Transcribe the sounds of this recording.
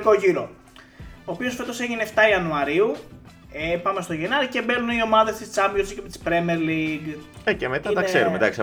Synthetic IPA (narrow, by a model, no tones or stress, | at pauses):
ko̞ʝiɾo̞ | oːpio̞sfe̞t̪o̞se̞ʝineft̪ɐiɐnuɐɾiu | epɐme̞st̪o̞ʝenɐɾice̞be̞ɾnunio̞mɐðe̞st̪ist͡sɐmbjosicept̪i̥spɾemeɾliɡecemet̪ɐt̪ɐkkseɾumed̪ɐ̰ks